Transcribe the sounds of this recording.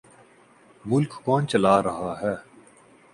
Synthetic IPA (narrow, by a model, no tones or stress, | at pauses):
mʊlkːɔːnt͡ʃɐlaːɾɐɦaːɦɛː